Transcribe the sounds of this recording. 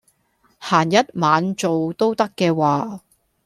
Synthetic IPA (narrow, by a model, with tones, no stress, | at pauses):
haː˨˩njɐ˥t̚maː˨˧nt͡so˨wt̪o˥wt̪ɐ˥kːɛː˧waː˨